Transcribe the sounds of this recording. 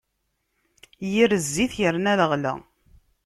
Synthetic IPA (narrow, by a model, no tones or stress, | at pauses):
jiɾəzːiθjəɾnæðəʁlə̰